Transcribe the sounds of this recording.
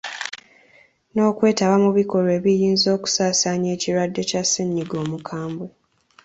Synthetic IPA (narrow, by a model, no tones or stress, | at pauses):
no̞ːkwe̞ːtaβamuβiko̞ɾoe̞ːβijiːnzo̞ːku̥saːsaːɲe̞ːciɾwadːe̞caseɲːiɡo̞ːmukʰaːmbwe